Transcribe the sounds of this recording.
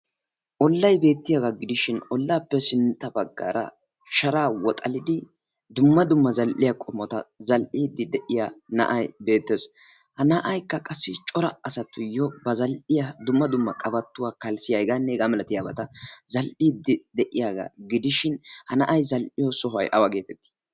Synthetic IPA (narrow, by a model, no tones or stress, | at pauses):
ʔɔlːɐjbe̞ːt̪ːɪjaɡaɡɪd̪ɪʃɪnɔlːaːpːɛsɪnt̪ːɐbɐɡːa̰ːɾɐ̰ | ʃɐɾaːwɔt̪ʼɐlɪd̪ɪ | d̪ʊmːɐd̪ʊmːɐzɐlʔɪjakʼɔmɔt̪ɐzɐlʔiːd̪ːɪd̪ɛʔɪjaːnɐ̰ʔɐjbe̞ːt̪ːes | hɐnɐʔɐjkːɐkʼɐsːɪt͡ʃʼɔɾɐːsɐt̪ːʊjːɔbɐzɐlʔɪjɐd̪ʊmːɐd̪ʊmːɐkʼɐbɐt̪ːʊwaːkɐlsɪjajɡanːɛɡamɛlɐt̪ɪjaːbɐt̪ɐzɐlʔiːd̪ːɪd̪ɛʔɪjaːɡa̰ɡɪd̪ɪʃɪnhɐnɐʔɐjzɐlʔɪjosɔɦɐ̰jʔɐwaɡe̞ːt̪ɛt̪ːi̥